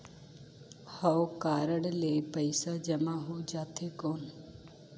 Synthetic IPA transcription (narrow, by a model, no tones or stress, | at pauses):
həwkaːɾəɽlepəɪsad͡ʒəmãɦud͡ʒaːt̪ʰekoːn